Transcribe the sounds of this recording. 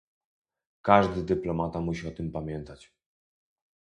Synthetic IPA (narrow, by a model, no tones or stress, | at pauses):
kaʐd̪ɘd̪ɘplɔmat̪amuɕiɔt̪ɘmpamʲjɛnt̪at͡ɕ